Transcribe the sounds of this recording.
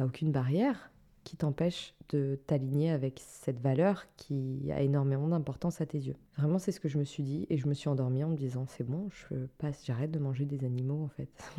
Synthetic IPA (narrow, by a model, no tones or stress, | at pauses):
t̪aokʲynbaʁjɛʁ | kʲʰit̪ɑ̃pɛʃd̪̥ət̪aliɲeavɛksɛt̪valœʁkʲʰia̰ʔenɔʁmemɑ̃d̪ɛ̃pɔʁt̪ɑ̃sat̪ezjøvʁɛmɑ̃sɛsə̥kəʒəməsɥid̪ieʒəməsɥiɑ̃d̪ɔʁmiɑ̃məd̪izɑ̃sɛbɔ̃ʒəvøpasʒaʁɛt̪̚d̪əmɑ̃ʒed̪ezanimoɑ̃fɛt̪